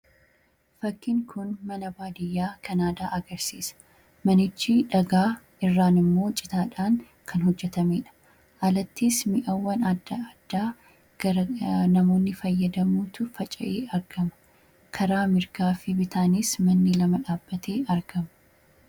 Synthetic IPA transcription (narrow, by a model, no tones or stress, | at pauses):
fɐkːɪŋkʰʊnmɐnɐbaːd̪ɪjːaːkʰɐnaːd̪aːʔɐɡɐɾsiːsɐ̥ | mɐnɪt͡ʃːɪᶑɐɡaː | ɪrːaːnɪmːo̞ːt͡ʃʼɪ̥t̪aːᶑaːŋ | kʰɐnhɔd͡ʒːɛt̪ɐmeːᶑɐ̥ | ʔɐlɐt̪ːismɪʔɐwːɐnɐd̪ːaɐd̪̥ːaː | ɡ̥ɐɾɐnɐmo̞ːnːɪfɐjːɐd̪ɐmuːt̪ʊfɐt͡ʃʼɐ̰ʔeːɐɾɡ̥ɐmɐ̥ | kʰɐɾaːmɪɾkaːfɪbɪt̪ʰaːniːsmɐnːɪlɐmɐᶑaːbːɐt̪ʰeːʔɐɾɡɐmɐ